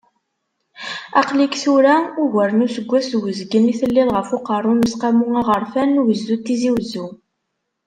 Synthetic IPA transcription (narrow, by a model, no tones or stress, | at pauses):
æ̰qlikθuɾæuɣæɾnusəɡʷːæswəzɡəniθəlːilʁəfʊqɑrˤːʊnəsqæmuŋaʁəɾˤfænːuwəzːut̪ːiziwzːu